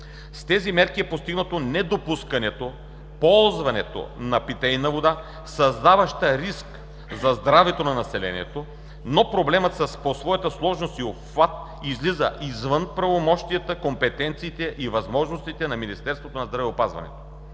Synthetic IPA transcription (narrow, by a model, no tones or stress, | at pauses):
st̪ɛzimɛɾkiɛpost̪iɡnət̪onɛd̪opuskɐnɛt̪o | pɔlˠzvɐnɛt̪o̰nɐpit̪ɛjnɐvod̪a | sɐzd̪avɐʃt̪əɾisk | zɐzd̪ɾavɛt̪onɐnɐsɛlɛ̰nḭɛ̰t̪o | nopɾoblɛmət̪sɐsposvɔjət̪əslˠɔʒnost̪iopvat̪̚ | izlizə̰ʔizvənpɾɐvomɔʃt̪ijɐt̪əkompɛt̪ɛnt̪siːt̪ɛʔivɐzmɔʒnost̪it̪ɛnɐminist̪ɛɾst̪vot̪onɐzd̪ɾɐvɛopazvɐ̰nɛ̰t̪o̥